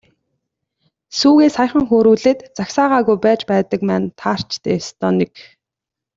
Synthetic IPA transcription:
suːɣeːsχajχə̆ŋxoːɾuːɮĕːt̪t͡saksaːʁaːɣujpæːt͡ɕpæːt̪ə̆k̚mæːnt̪ʰaːr̥t͡ɕt̪ʰeːst̪ʰɔːnek

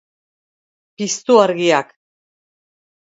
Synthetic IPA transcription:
pist̪uaɾɣiak

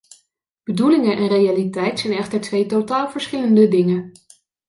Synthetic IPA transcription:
b̥ədulɪŋənʔɛnrejalitɛjtsɛjnɛχtəɹtʋejtotaːlˠvəɹsχɪləndədɪŋə

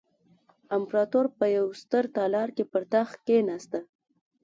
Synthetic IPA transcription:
ampɾɑt̪oɾpəjawst̪əɾt̪ɑlɑɾkepəɾt̪axkenɑst̪a

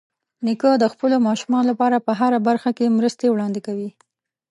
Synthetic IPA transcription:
nikəd̪əxpəlomɑʃumɑnolapɑɾapəɦaɾabaɾxakemɾəst̪ewɽɑnd̪ɪkawi

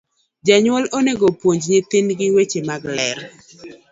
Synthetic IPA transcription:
d͡ʒaɲwɔloneɡopwoɲd͡ʒɲet̪ɪnɡɪwet͡ʃemaɡlɛɾ

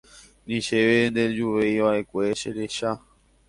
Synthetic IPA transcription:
nĩʃeʋend̪e̞d͡ʒuʋejʋaʔe̞kʷe̞ʃeɾeʃa

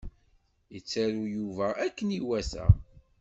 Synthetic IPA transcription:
jət͡sːæɾujuvæʔækːəniwæsæ̰

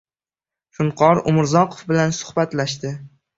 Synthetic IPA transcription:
fʊɴqʰɒɾʊmɪɾzɒqʰofbɪlansʊ̥hbat̪laʃt̪ɪ

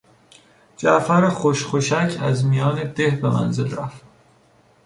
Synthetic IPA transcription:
d͡ʒæʔfæɾexoʃxoʃæcʰæzmijɒːne̞d̪e̞hbe̞mæ̰nze̞lɾæft̪

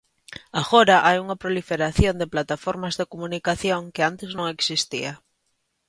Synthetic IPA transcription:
aɣoɾaʔajuŋapɾolifeɾaθjond̪eplat̪afoɾmazðekomunikaθjoŋkɪant̪ɪznõŋeksist̪ḭa

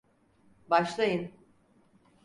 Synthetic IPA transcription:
baʃlˠajɯn

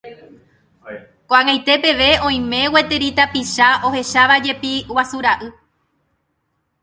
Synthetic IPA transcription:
koãŋajt̪e̞pe̞ʋe̞õ̞j̃mẽ̞we̞t̪e̞ɾit̪apiʃao̞he̞ʃaʋad͡ʒe̞piwasuɾaʔɨ

